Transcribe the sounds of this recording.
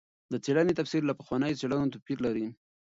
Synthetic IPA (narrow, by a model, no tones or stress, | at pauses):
d̪ət͡seɽanet̪afsiɾlapəxwɑnəjot͡seɽanot̪̬apiɾlaɾi